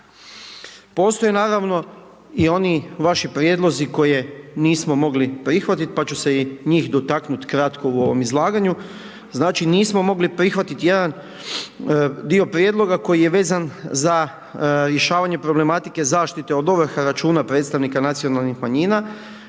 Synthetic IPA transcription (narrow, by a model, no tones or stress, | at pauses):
po̞ːst̪o̞jenaːɾaʋno̞ | io̞niʋaʃipɾje̞d̪lo̞ziko̞jeniːsmo̞mo̞ɡlipɾixʋat̪it̪pat͡ɕuse̞iɲiːxd̪o̞t̪aknut̪kɾat̪ko̞uo̞ʋo̞mizlˠaːɡaɲu | znaːt͡ʃiniːsmo̞mo̞ɡlipɾixʋat̪it̪jed̪an | d̪io̞pɾje̞d̪lˠo̞ɡako̞jije̞ʋe̞ːzanza | ɾje̞ʃaːʋaɲe̞pɾo̞ble̞mat̪ike̞zaːʃt̪it̪e̞od̪oʋəɾxaɾat͡ʃuːnapɾet̪st̪aʋnikanat̪sio̞nalˠnixmaɲiːna